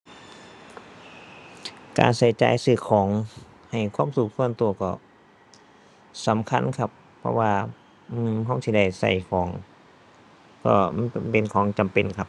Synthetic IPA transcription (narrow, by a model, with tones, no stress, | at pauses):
ka̰ː˧˨nsa˧˩jt͡ɕa̰ː˧˩jsɯː˧˩kʰɔː˨˦ŋ | ha˨˩jkʰwa˧˥˨msu˨˩k̚su˧˥ənt̪u˧ɐkɔ̰˧˩ | sa˨˦mkʰa̰˧˥˨nkʰa˧˩p̚ʰːɔ̰˧waː˧ | ʔɯː˧˩mɦa˧˩˨wt̪ʰiː˧da˧˩jsa̰˧˩jkʰɔː˨˦ŋ | kɔ̰ː˧˩˧npe˨nkʰɔː˨˦ŋt͡ɕa˨mpe˨nkʰa˧˩p̚